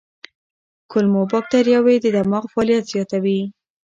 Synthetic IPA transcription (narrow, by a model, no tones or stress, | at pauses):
kʊlmobɑk̚t̪aɾjɑwed̪əd̪amɑɣfɑːlijat̪z̥jɑt̪awi